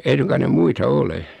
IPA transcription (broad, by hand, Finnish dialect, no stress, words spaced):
ei suŋkɑn ne muitɑ ole